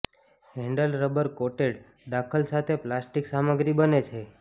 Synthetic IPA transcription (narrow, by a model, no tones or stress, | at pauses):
ɦɛ̃ɳɖəlɾəbəɾkoʈeɽ | d̪akʰəlsat̪ʰeplasʈiksaməɡɾibənet͡ʃʰe